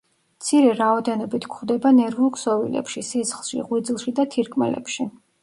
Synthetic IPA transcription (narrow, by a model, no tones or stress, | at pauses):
mt̪sʰiɾɛɾaɔd̪ɛnɔbit̪ʰkʰχd̪ɛbanɛɾvulˠksɔvḭlɛ̰pʃisisχlˠʃḭʁwid̪zilˠʃid̪at̪ʰiɾkʰʼmɛ̰lɛ̰pʃi